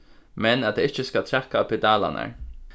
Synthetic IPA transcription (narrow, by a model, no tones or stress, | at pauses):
mɛnɑt̪̚d̪eːɪçəskɑt̪ʰɾɛkːapʰɛd̪ɑːlɑ̰næ̰ɹ